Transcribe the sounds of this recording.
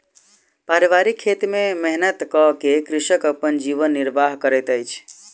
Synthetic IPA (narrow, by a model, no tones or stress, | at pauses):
paɾiʋaɾikʰːet̪memɛɦnət̪kəkekɾiʃəkəpːənd͡ʒiʋənːiɾbʱaɦkəɾəjt̪əjt͡ʃʰ